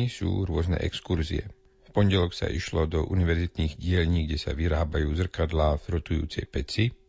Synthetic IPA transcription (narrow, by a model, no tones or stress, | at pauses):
isṵːɾʊɔznɛ̰ʔɛkskuɾziɛ | fpɔɲɟɛlɔksa̰ʔiʃlɔd̪ɔʔuniʋɛɾzit̪niːɣɟɪɛʎɲiːɡɟɛsa̰ʋiɾaːbajuːzr̩kad̪laːfɾɔt̪ujṵːt͡sɛjpɛt͡si